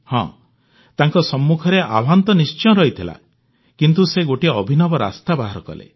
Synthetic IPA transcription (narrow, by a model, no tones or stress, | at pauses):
hɔ̰̃ | t̪aŋkɔsɔmːukʰɔɾeʔabʱant̪ɔnist͡ʃɔ̃ɾɔɦit̪ʰila̰ | kint̪useɡoʈiɔbʱinɔbɔɾa̰st̪abaɦaɾɔkɔ̰lḛ